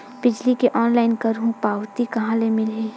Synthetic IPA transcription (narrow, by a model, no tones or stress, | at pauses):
b̥ɪd͡ʒlikeʔɔːnlaːɪnkɐɾɦũpaːwt̪ikɐɦãlemɪlɦeː